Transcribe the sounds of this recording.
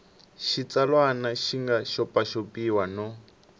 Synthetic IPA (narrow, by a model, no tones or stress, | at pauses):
ʃit͡salwanaʃiŋɡaʃɔpʼaʃopiwanɔ